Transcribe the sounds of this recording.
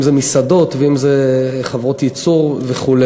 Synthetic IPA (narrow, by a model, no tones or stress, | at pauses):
mzemisad̪o̞t̪veimzeχavʁo̞t̪jit͡suʁveχule